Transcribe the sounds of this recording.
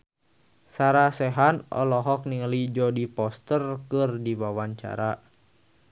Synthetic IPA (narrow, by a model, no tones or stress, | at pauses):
saɾasɛɦanɔ̰lɔɦɔk̚niŋəlid͡ʒɔdipɔst̪ərkɨrdiwawaɲt͡ʃa̰ɾa